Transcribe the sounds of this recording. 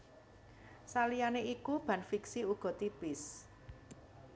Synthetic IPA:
salijaneʔikub̥a̤nfiksiuɡ̥ɔ̤t̪ipɪs

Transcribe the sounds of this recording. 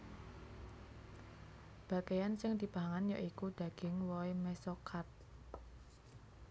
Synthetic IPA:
b̥ä̤kejansɪŋd̪̥i̤paɦaŋanjaʔikud̪̥ä̤ɡ̥ɪŋwɔimɛsɔkʰat̪̚

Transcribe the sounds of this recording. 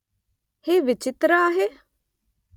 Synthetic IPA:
heːʋɪt͡ʃɪt̪ɾaaːɦe

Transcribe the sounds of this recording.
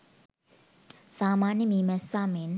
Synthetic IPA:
samanĩmimɛsamẽn

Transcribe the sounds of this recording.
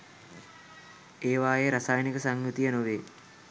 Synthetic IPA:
eːʋaːjeɾasajnikəsaŋɡut̪ijənoʋeː

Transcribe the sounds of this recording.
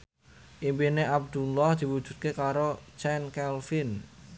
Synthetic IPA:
ʔimpineʔab̚d̪̥ulɔhd̪̥i̤wud̥ʒ̥ṳt̪̚kekaɾot͡ʃɛnkɛlfin

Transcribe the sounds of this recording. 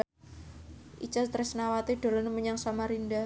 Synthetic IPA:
ʔit͡ʃast̪ɾɛsnawat̪iɖ̪̥o̤lɔnəməɲaŋsamaɾinda

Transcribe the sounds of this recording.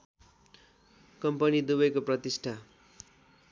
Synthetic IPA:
kʌmpʌnid̪ubʌjkoprʌt̪isʈʰa

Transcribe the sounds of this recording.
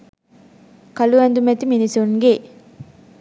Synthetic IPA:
kɐluɐnd̪umɐt̪iminisonɡe

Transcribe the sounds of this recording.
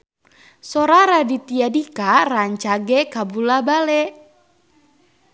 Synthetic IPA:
sɔɾaɾadit̪iadikaraɲt͡ʃaɡɛkabulabalɛ

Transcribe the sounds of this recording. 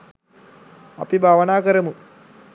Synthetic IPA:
ɐ̰pibʱaːʋɐnaːkɐɾɐmu

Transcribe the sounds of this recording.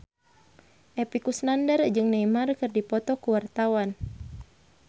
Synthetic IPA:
ʔɛpikusnandərd͡ʒɨŋnɛimarkɨrdipɔt̪ɔkuwart̪awan

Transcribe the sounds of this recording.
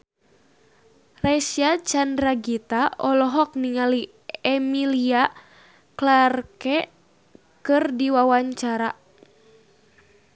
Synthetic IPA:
rɛsiat͡ʃandɾaɡit̪aɔlɔɦɔk̚niŋali | ɛmilia | klarkɛ | kɨrdiwawaɲt͡ʃaɾa

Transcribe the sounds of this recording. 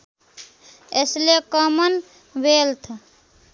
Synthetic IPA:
ḛslekəmən | belt̪ʰ

